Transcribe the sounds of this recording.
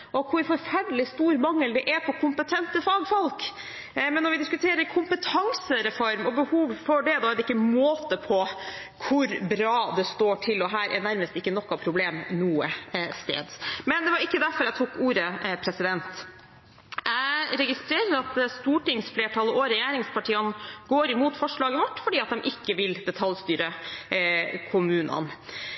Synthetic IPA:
ʔɔkʰʊɾfɔɾfæɖəlɪst̪uːɾmɑŋːəld̪ɛʔæpʰɔpkʰʊmpət̪ʰɛnt̪əfɑːɡfɔlk | mɛnːɔɾʋɪd̪ɪskʉt̪ʰeːɾəɾkʰʊmpət̪ʰɑŋsəɾɛfɔɾmɔbəhuːʋfɔɖɛd̪ɑd̪ɪkːəmoːt̪əpʰɔ | kʰʊɾbɾɑːd̪ɛst̪oːʈʰɪlɔɦæːɾʔɛ̰næɾməst̪ɪkːənɔkːɑpʰɾʊbleːmnuːəst̪ḛːd̪mɛnd̪ɛʋɑɾɪkːəd̪æɾfɔɾæɪt̪ʰuːkuːɾəpʰɾɛsɪd̪ɛnt̪ | ʔæɪɾɛɡɪst̪ɾeːɾəɾɑt̪st̪uːʈɪŋsfleːʈʰɑlɔɾɛjeːɾɪŋspʰɑʈʰiːɑnɡ̥oːɾɪmuːt̪fɔʂɭɑːɡəʋɔʈːfɔɖiːɑt̪̚d̪ɛmʔɪkːəʋɪld̪ɛt̪ʰɑlst̪yːɾə | kʰʊmʉːnʔɑ̰n

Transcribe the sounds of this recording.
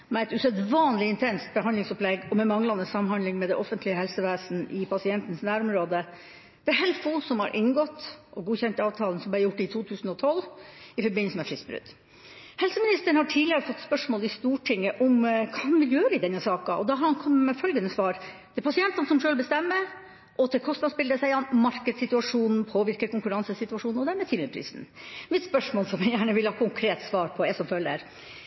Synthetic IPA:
mɛɛt̪ʉsœd̪ʋɑːnlɪɪnt̪ʰɛnst̪̚bəɦɑnd̪ɪŋsɔplɛɡːɔmɛnmɑŋlɑnəsɑmhɑnd̪lɪŋmɛd̪ɛʔɔfənt̪ʰlɪəhɛlsəʋæːsn̩ʔɪpʰɑsɪɛnt̪n̩snæːɾɔmɾoːd̪ə | d̪̥ɛæɦɛlfoːsɔmhɑ̰ɾʔɪnɡɔt̪ːʔɔɡuːçɛnt̪ɑːʋt̪ʰɑːlən̩sɔmb̪æɾjʊʈːɪt̪ʰuːt̪ʰʉːsn̩ɔt̪ʰɔlːɪfɔɾbɪnːəsəmɛfɾɪsbɾʉ̰d̪̥ | hɛlsəmɪnɪst̪əəɳ̩hɑʈʰiːd̪lɪəɾəfɔt̪ːspœʂmoːlɪst̪uːʈʰɪŋːəʔɔmkʰɑnʋɪljøːɾəɪd̪ɛnːəsɑːkɑʔɔd̪ɑɦɑɾhɑnkʰɔmːəmɛfœlɡənəsʋɑːɾ | t̪ʰɛpʰɑsɪɛnt̪ɑnsɔmʂøːlbəst̪ɛmːə | ʔɔt̪ʰɪlkʰɔst̪ɑspɪld̪əsæɪɑnmɑɾkəd̪sɪt̪ʉɑʂuːnn̩pʰoːʋɪɾkəɾkʊŋkʉɾɑnsəsɪt̪ʉɑʂuːnnɔd̪æɾmɛːt̪ʰɪlɪɾpʰɾḭːsn | mɪt̪spœʂmoːlsɔmjɛjæːɳəʋɪlhɑːkʰʊŋkʰɾeːt̪sʋɑːɾpʰɔɛsɔmfœlːə̰ɾ

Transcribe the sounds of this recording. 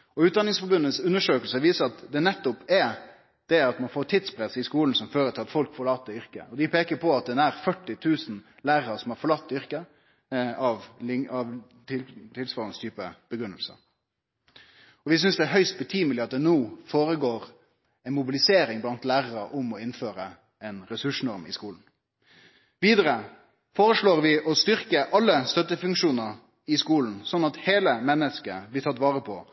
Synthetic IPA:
ɔʉːt̪̚d̪ɑnɪŋsfɔɾbʉnːəsʉnːəʂøːkəlsəʋiːsəɾɑt̪d̪ɛnɛt̪ːʊpɛ | d̪̥ɛɑt̪mɑnfoːɾʈʰɪt̪spʰɾɛsːɪskuːln̩sɔmføːɾət̪ʰɪlɑt̪fɔlkfɔɾɭɑːt̪ːəʏɾkə̰ɔd̪ɪpʰeːkəɾpʰɔɑt̪̚d̪ɛnæɾfœʈːɪt̪ʰʉːsn̩ | læːɾɑsɔmhɑɾfɔɾɭɑt̪ːʏɾkə | ɑʋ̪ɪɑʋ | t̪ɪt̪ʰɪlsʋɑːlənst̪ʰyːpəb̥əɡɾʉnːəlsə̰ | ɔʋɪs̬ʏnsd̪ɛæɦœʏst̪̚bət̪ʰyːməlɪɑt̪̚d̪ɛnoːfoːɾəɡoːɾ | ɛnmʊbɪlɪseːɾɪŋblɑnt̪læːʁəɾəʔʊmɔɪnføːɾə | ɛnɾɛsʉʂnɔɾmɪ̰skuːln̩ | ʋiːd̪əɾə | foːɾəʂɭoːɾʋɪʔɔst̪ʏɾkəʔɑlːəst̪œt̪ːəfʉŋkʂuːnəɾ | ɪskuːln̩sɔnːɑt̪heːləmɛnːəskəblɪt̪ʰɑt̪ːʋɑːɾəpʰɔ

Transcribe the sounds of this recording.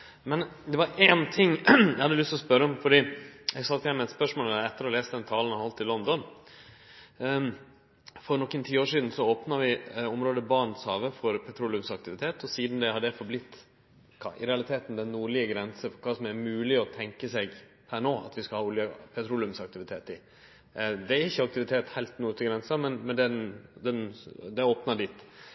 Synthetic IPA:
mɛnd̪ɛʋɑɾeːnt̪ʰɪŋːɛhɑd̪ːəlʏst̪ɔspœɾəɔmfɔɖiːɛɡsɑt̪ːjɛnːmɛt̪spœʂmoːlɛt̪ːəɾɔleːst̪əd̪ɛnt̪ʰɑːlnɑhɔlt̪ʰːɪlɔnd̪ɔn | fɔɾnɔkːənt̪ʰiːoːʂiːd̪n̩sɔoːpnɑʋɪɔmɾoːd̪əbɑɳshɑːʋəfɔɾpʰɛt̪ʰɾuːlʉmsɑk̚t̪ɪʋɪt̪ʰeːt̪ɔsiːd̪n̩d̪ɛhɑɖ̪ɛfɔɾblɪt̪ː | kʰɑ̰ʔɪ̰ɾɛɑlɪt̪ʰeːt̪nd̪ɛnːuːɭɪəɡɾɛnsəfɔkʰɑːsɔmæɾmʉːlɪɔt̪ʰɛŋkəsɛɡ | pʰænoːʔɑ̰t̪ʋɪskɑlhɑːulɪjəpʰɛt̪ʰɾuːlɪʉmsɑk̚t̪ɪʋɪt̪ʰeːt̪ɪ | d̪ɛæɾɪçːəɑk̚t̪ɪʋɪt̪ʰeːt̪hæɪlt̪nuːəɡɾɛnsɑmɛnmɛnd̪ɛnd̪ɛnd̪ɛoːpnɑɖiːt̪ː

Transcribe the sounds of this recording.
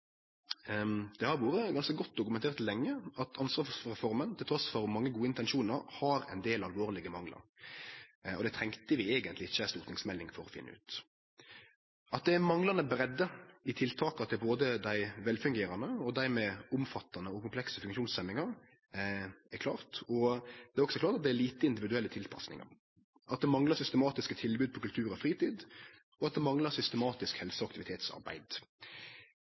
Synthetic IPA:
d̪̥ɛhɑɾʋuːɾəɡɑnskəɡɔt̪̚ːd̪ʊkʉmɛnʰeːʁt̪ʰɪlɛŋːəɑt̪ʰɑnsʋɑːʁɛfɔɾmənt̪ʰɪlt̪ɾɔsfɔɾmɑŋːəɡuːəɪnt̪ɛnʃuːnəɾhɑɾɛ̰ɪnd̪eːlɑlʋoːʁlɪɡəmɑŋlɑ̰ɾ | ɔd̪ɛt̪ʰʁɛŋkt̪əʋɪeːɡənt̪lɪɪçːəst̪uːʁt̪nɪŋsmɛlːɪŋfɔɾɔfɪ̰n̰ːʉ̰ːt̪ | ʔɑt̪̚d̪ɛæmɑŋlɑnəbəɾɛd̪ːəɪt̪ʰɪlt̪ʰɑːkɑt̪ʰɪboːd̪əd̪æɪʋɛlfʉŋɡeːɾɑnəɔd̪æɾmeːʊmfɑt̪ːɑnəɔkʊmpʰlɛksəfʉŋʃuːnsɛmːɪŋɑʁ | ækʰlɑ̰ːʁt̪ɔd̪̥ɛæɾɔksɔkʰlɑːɾt̪ɑt̪̚d̪ɛæliːt̪əɪnd̪ɪʋɪd̪ʉɛlːət̪ʰɪlpʰɑ̰snɪ̰ŋɑ̰ɾ | ʔɑ̰t̪̚d̪ɛmɑŋlɑʁsʏst̪əmɑːt̪ɪskət̪ʰɪlbʉːd̪̚pʰɔkʉlt̪ʰʉːɾɔfʁiːt̪iːd̪ | ɔɑt̪̚d̪ɛmɑŋlɑɾsʏst̪əmɑːt̪ɪskhɛlsəɔɑk̚t̪ɪʋɪt̪ʰeːt̪sɑ̰ɾbæ̰ɪd̪

